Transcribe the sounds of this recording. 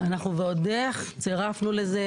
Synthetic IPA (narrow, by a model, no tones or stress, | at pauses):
anaχnuveodeχt͡seʁafnule̞ze